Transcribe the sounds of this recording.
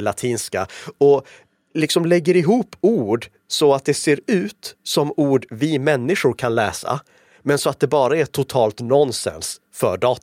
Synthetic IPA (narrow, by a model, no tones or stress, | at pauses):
lat̪ʰiːnskaɔ | lɪksɔmlɛɡːəɾɪɦuːpːuːɖ | sɔat̪̚d̪ɛseːɾʉ̟ːt̪sɔmuːɖvɪmɛnːɪʂʊɾkʰanlɛːsa̰ | mɛnsɔat̪̚d̪ɛbɑːɾaɛʈʰʊt̪ʰɑːlt̪nɔnːsɛ̰ns | fœ̰ɖɑːt̪